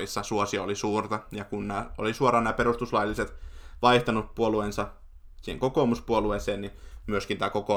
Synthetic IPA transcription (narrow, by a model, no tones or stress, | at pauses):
isːɑsuosiɑolisuːrt̪ɑjɑkunnæːolisuorɑːnæːpeɾust̪uslɑjlːiset̪ʋɑiht̪ɑnuppuoluensɑ | siːheŋkokoˑmuspuolueseːnnimyøskint̪æːkoko